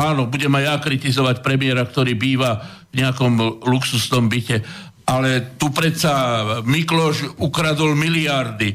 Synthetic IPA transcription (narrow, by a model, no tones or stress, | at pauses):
aːnɔbuɟɛmajakɾit̪izɔʋacpɾɛmɪɛɾakt̪ɔɾiːbiːʋa | vɲɛakɔmluksusnɔmbicɛ | ʔalɛt̪upɾɛt̪samiklɔʒukɾad̪ɔlmiliaɾd̪i